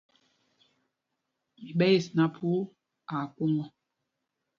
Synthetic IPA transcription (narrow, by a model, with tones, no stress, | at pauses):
mi˨ɓɛ˦ji˨sna˦pʰu˦ | a˨ku˦ŋɔ˨